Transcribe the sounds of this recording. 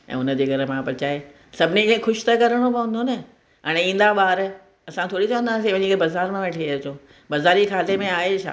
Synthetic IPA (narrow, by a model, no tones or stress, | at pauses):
ɛ̰̃ːʊnə̆d͡ʑeːɡʱɐɾəmãpɐɾt͡ɕaːe | sɐbʱɪnikẽxʊʃt̪ɐkɐɾəɽ̃opɐʋə̃nd̪onɐ | ɐɽ̃ĩːn̆d̪aɓaːɾ | ɐsãt̪ʰoːɽit͡ɕɐʋə̃nd̪aːsiʋnĩɡbɐzaːɾmẽʋẽʈʰet͡ɕõ | bɐzaːɾikʰaːt̪emẽaːɦet͡ɕʰa̰ː